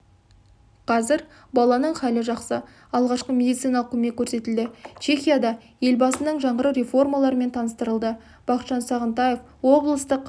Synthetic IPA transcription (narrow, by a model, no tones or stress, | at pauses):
qʰɑzɪɾ | bɑlˠɑnəɴχɑlɪʒɑqsə | ɑlˠʁɑʃqəmʲe̞d̪ijt̪sɨjnɑlˠəq̚kʰʲːɵme̞kʲʰːɵɾse̞t̪ɪld̪ɪt͡ʃʰe̞χʲijad̪ɑ | je̞lbɑsənəɴʒɑɴəɾəwɾʲe̞fo̞rmɑlˠɑɾəme̞nt̪ʰɑnəst̪əɾəlˠd̪ə | b̥ɑqət̪ʃɑnsɑʁənt̪ɑjef | wo̞blˠəst̪əq